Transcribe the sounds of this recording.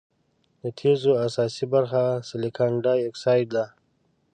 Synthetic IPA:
d̪ət̪ʰezoasɑːsibaɾxasɪlikʰaɳɖajeksaːjɖ̚d̪a

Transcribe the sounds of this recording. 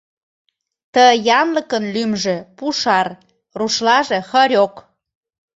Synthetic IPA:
t̪əjɑmləkənlymʒĕpuʃɑr | ruʃlɑʒĕxɤɾʲok

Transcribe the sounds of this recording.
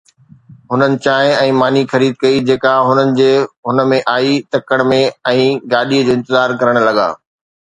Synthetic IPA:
ɦʊnənɪ̆t͡ɕaːɦɪ̃ɛ̃ːmaːnixɐɾiːd̪̚kɐid͡ʑeːkaɦʊnənɪ̆d͡ʑeːɦʊnə̆mẽʔaːit̪ɐkəɽ̃mẽɛ̃ːɡaːɗiːəd͡ʑoːɪ̃nt̪ɪzaːɾkɐɾəɽ̃lɐɡa̰ː

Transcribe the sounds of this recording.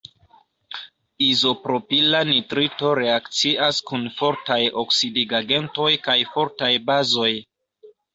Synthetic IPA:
izo̞pɾo̞pilanitɾito̞ɾe̞akt͡siʔaskunfo̞ɾtajo̞ksidiɡaɡe̞nto̞jkajfo̞ɾtajbazo̞j

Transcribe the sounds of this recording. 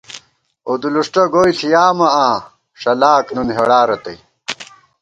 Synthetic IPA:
od̪uluʂʈɐɡoːjsʰijaːmɐaː | ʂɐlaːknunɦeɽaːɾɐt̪ɐj

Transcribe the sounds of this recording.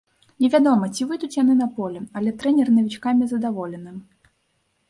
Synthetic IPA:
nʲɛvʲad̪ɔmɐt͡sʲivɨd̪ut͡sʲjan̪ɨnɐpɔlʲɛɐlʲɛt̪ɾɛnʲɛrnɐvʲit͡ʂkamʲizɐd̪avɔlʲɛnɨ

